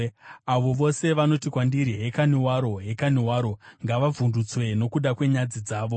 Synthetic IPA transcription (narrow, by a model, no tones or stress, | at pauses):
aʋo̞ʋo̞se̞ʋano̞tikwandiɾiɦe̞kaniwaɾo̞ɦe̞kaniwaːɾo̞ŋɡaʋavʱundut͡swe̞no̞kuɗakwe̞ɲad͡zid͡zaːʋo̞